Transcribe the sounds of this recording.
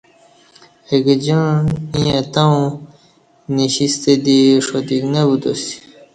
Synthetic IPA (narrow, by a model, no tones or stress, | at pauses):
eɡd͡ʑãnijãt̪aw̃ | niɕist̪ed̪iʂod̪iɡnabud̪osi̥